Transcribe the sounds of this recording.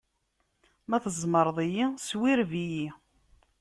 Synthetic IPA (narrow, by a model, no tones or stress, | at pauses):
mæθəzˤməɾˤðˤijiswiɾviji